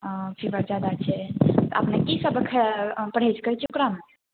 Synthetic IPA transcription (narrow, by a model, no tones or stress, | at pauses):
fibəɾd͡ʒad̪at͡ʃʰɛt̪ɔ̰ə̰pnekisəbʱəkʰːepəɽ̤et͡ʃkət͡ʃʰiukɾame